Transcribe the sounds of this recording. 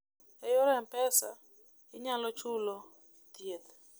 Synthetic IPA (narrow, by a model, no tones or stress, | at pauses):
ɛjɔɾɛmpɛsa̰ | iɲalɔt͡ʃʰulɔ | tiet̪